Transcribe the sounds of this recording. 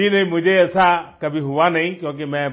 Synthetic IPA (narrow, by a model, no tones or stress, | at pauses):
inɐɦĩmʊd͡ʒʱeɛsakɐbʱiɦʊʋanɐɦĩkjõːk̬emɛ̃